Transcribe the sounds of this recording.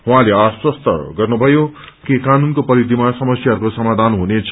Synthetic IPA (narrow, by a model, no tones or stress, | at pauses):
ɦũɦãleaswʌst̪ʌ̰ɡʌrnubʱʌjo | kekanunkopʌɾid̪ʱimasʌmʌsjaɦʌɾukosʌmad̪ʱanɦunet͡sʰ